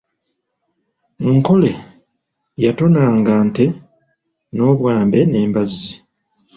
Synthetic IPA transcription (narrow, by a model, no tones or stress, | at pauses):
ŋko̞le̞ | jatonaːŋɡaːnte̞ | no̞ːβwaːmbe̞ne̞ːmbazi